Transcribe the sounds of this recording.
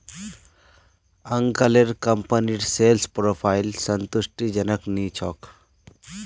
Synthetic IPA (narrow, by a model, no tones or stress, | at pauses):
əŋkaleɾkəmpəniʈselspɾoːpʰajlsənt̪usʈid͡ʒənəknit͡ʃʰɔk